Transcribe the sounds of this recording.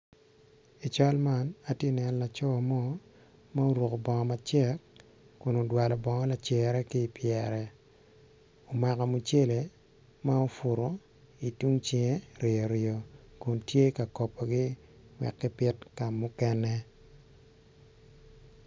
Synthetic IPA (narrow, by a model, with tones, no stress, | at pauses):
i˨t͡ʃa˦lma˦na˨tje˦nɛ˨n˨la˨t͡ʃɔ˦a˨mɔ˦ | ma˦o˦ɾwo˨ko˨bɔ˨ŋɔ˨ma˨t͡ʃɛ˦kː | ʊ˨no˨dwa˨lɔ˨bɔ˨ŋɔ˦la˨t͡ʃɛ˨ɾɛ˦kiː˦˨pjɛ˨ɾɛ˨ | o˨ma˨ka˨mu˨t͡ʃe˦le˨ | ma˦o˦fʊ˨ɾo˨ | i˨tu˦ŋt͡ʃe˨ŋe˦ɾɪ˨o˨ɾɪo˨kʊ˨ntje˦ka˨kɔ˨po˨ɡi˦ | ŋwɛ̰˨kːɛ˦pɪ˦tka˨mʊ˦kɛ˦nɛ˦